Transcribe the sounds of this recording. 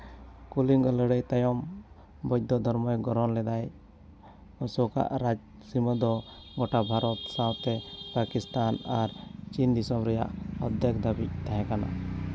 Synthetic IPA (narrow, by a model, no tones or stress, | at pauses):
kuliŋɔləɽəjt̪ajɔm | bɔd̪ɔd̪ʱɔɾmɔjɡɔɾɔnlɛd̪aj | ɔsɔka̰ʔɾad͡ʒ | siməd̪ɔ | ɡɔʈabʱaɾɔt̪sãwt̪ɛpakist̪anaɾt͡ʃind̪isɔmɾɛja̰ʔɔd̪ʱjɛkd̪abic̚t̪aɦɛ̃kana̰